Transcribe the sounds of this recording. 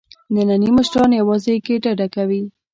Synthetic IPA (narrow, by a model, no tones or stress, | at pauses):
nənanimʊʃʈɑnjawɑzekeɖaɖakawi